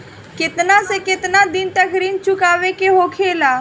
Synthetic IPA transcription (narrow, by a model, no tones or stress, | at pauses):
kɪt̪nasekɪt̪nad̪ɪnt̪əkɾiːnt͡ʃʊkaːʋekeɦokʰeːlaː